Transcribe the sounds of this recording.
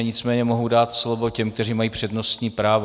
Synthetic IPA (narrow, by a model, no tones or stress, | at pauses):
ɲɪt͡smɛːɲɛmo̞ɦowdaːt̪slo̞vo̞cɛmk̚t̪ɛriːmajiːpr̝̥ɛdno̞st̪ɲiːpɾaːvo